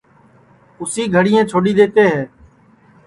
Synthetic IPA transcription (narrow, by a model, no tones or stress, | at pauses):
ʊsiːɡʱəɽɪjẽːt͡ʃʰoːɗiːd̪eːt̪eːɦɛː